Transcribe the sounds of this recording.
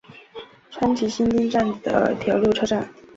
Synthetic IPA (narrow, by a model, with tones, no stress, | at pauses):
ʈ͡ʂʰwa˥nt͡ɕʰi˧˥ɕi˥nt̪i˥nʈ͡ʂa˥˩nd̪̥ə̰˩t̪ʰjɑ˧˥ʊlu˥˩ʈ͡ʂʰɤ˥ʈ͡ʂa˥˩n